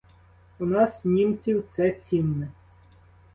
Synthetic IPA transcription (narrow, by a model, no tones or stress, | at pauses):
unɑsnʲimt͡sʲiwt̪sɛt͡sʲinnɛ